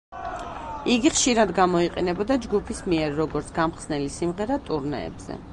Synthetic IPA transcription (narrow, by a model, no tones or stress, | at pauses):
iɡiχʃiɾad̪ɡamɔiqʼɛnɛbɔd̪ad͡ʒɡupʰismiɛɾːɔɡɔɾt̪sʰɡ̥amχsnɛlisimʁɛɾat̪ʼuɾnɛ̰ɛ̰b̥z̥ɛ̰